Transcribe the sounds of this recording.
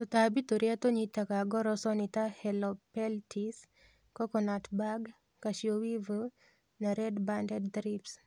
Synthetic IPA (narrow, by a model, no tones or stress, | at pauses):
t̪ɔt̪abit̪oɾjat̪oɲit̪akaɡɔɾɔsɔnit̪ahɛlɔpɛltʰis | kɔkɔnatbaɡ | kaʃjowivə | naɾɛdbandɛdt̪ɾips